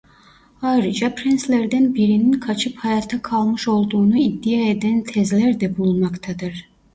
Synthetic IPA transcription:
aɾd͡ʒapʰɾinslʲæɾd̪ænbiɾininkʰat͡ʃʰɯphajaːt̪ʰakʰalˠmɯʃo̞lˠd̪uːnuid̪ːijaed̪ænt̪ʰɛzlʲæɾd̪ɛbulˠmakt̪ʰad̪ɯɾ̥

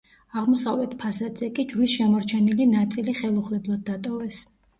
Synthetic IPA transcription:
aʁmɔsavlɛt̪ʰpʰasad̪z̥ɛkʼid͡ʒɾlisʃɛmɔɾt͡ʃʰɛnilinat̪sʼiliχɛlˠuχlɛblˠad̪̚ːat̪ʼɔvɛs

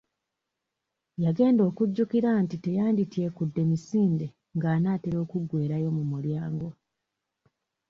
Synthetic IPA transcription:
jaɡe̞ːndo̞ːkuɟːukiɾantite̞jaːnditie̞kudːe̞misiːnde̞ | ŋɡaːnaːteɾo̞ːkuɡwe̞ːɾajo̞mumuljaːŋɡo̞

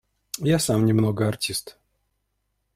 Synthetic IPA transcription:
jasamnʲɪmnoɡəɐrtʲist̪

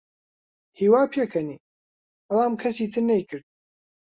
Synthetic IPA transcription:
hiːwaːpʰjekʰɐni | bɐlˠaːmkʰɐsiːt̪ʰɨɾnɐjkʰɨɾd̪̚

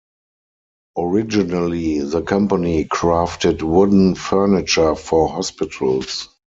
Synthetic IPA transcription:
ɔɹɪd͡ʒinaliðəkʰãmpanikʰɹaftɪtwʊdn̩fɜ˞nɪt͡ʃə˞fɔhɔspɪtʰəls

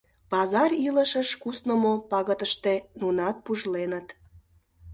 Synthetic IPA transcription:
pɑzɑriləʃəʃkusnəmopɑɣət̪əʃt̪enunɑt̪̚puʒlenət̪

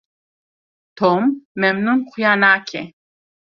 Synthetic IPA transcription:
t̪ʰɔmːɛmnunqʰjanaːkʰɛ

